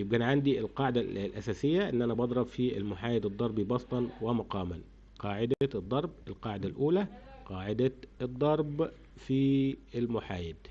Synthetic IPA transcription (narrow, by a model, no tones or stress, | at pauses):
jɪb̚kæːnʕand̪iɪlqɑːʕɪd̪ælʔæ̰sæːsɪjːæʔɪnːʔænæbɑd̪ˤɾˤɑbfiɪ̰lmʊħaːjɪd̪ɨd̪ˤːɑɾˤbibɑst̪ˤɑnwɪmʊqɑːmæn | qɑːʕɪd̪æd̪ˤːɑɾˤbɪlqɑːʕɪd̪ælʔuːlæ | qɑːʕɪd̪ad̪ˤːɑɾˤb | fiɪlmʊħaːjɪd̪